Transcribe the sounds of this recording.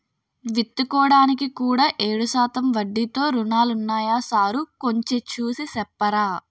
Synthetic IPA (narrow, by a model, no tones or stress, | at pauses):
ʋit̪ːukɔːɽaːnikikuːɽaːʔeːɽusaːt̪ɐmʋɐɖːit̪o̞ːɾunaːlunːaːjaːsaːɾuko̞ɲt͡ʃe̞t͡ʃuːsisɛpːɐɾaː